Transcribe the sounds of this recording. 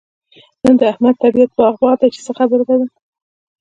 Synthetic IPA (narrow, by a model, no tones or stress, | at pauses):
nənd̪əahmad̪̚t̪abiat̪̚bɑɣbɑd̪ajt͡ʃe̥səxabəɾd̪ad̪a